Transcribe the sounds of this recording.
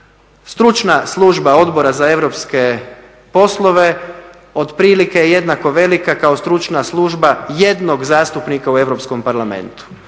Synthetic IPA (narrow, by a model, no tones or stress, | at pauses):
st̪ɾut͡ʃnaslˠuʒbao̞d̪bo̞ɾazae̞ʋɾopske̞ | po̞slˠo̞ʋe̞ | o̞d̪pɾiːlikejeje̞d̪nako̞ʋe̞likakaost̪ɾut͡ʃnaslˠuʒbaje̞d̪noɡzaːst̪upnikaue̞ʋɾo̞pskompaɾlame̞̰nt̪u̥